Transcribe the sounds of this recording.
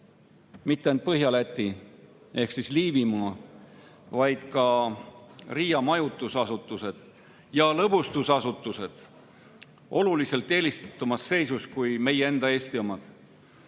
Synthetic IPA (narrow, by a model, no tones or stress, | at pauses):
mit̪ːeent̪̚pɤɦjɑlæt̪ːˑi | e̞hksisliːvimɑ | vɑjd̪̥kɑ | riːjɑmɑjut̪ːˑusɑsut̪ːˑuse̞d̪̥ | jɑlɤbust̪usɑsut̪ːˑuse̞d̪̥ | ʔo̞lulise̞lt̪ːˑe̞ːlist̪ɑ̥t̪ːˑumɑsːe̞jsuskujme̞jee̞nd̪̥ɑe̞ːst̪iomɑd̪̥